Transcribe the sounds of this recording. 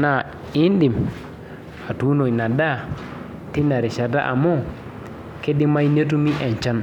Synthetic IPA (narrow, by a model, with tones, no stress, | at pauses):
na˨ | i˦ndi˨m | a˨tu˨˦no˨i˨na˨da˦˨ | ti˦na˨ɾi˨ʃa˨da̰˦ʔa̰˨mo˦˨ | ke˦di˦ma˦i˦ne˦t̬u˦mi˦ʔɛ˨ɲt͡ʃa˦n